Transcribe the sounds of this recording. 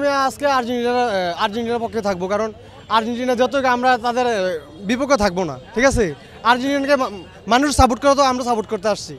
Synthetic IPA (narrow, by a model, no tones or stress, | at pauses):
miaskeaɾd͡ʑinʈinaɾaɾd͡ʑiɳʈinaɾpɔkʰːet̪ʰak̚bokaɾon | aɾd͡ʑiɳʈinad͡ʒɔt̪̬okamɾat̪ad̪eɾ | bipokʰːot̪ʰak̚bona̰ʈʰikasʰe | aɾd͡ʑinʈianke | manuʃsabuʈ̚kɔɾat̪oamɾasaboʈ̚koɾt̪eaʃt͡ɕʰi